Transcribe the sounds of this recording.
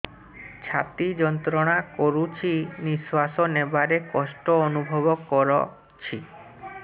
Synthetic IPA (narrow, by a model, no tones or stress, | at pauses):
t͡ʃʰat̪id͡ʒɔnt̪ɾɔɽ̃akɔɾut͡ʃʰiniswasɔnebaɾekɔsʈɔːnubʱɔbɔkɔɾɔ̰ | t͡ʃʰi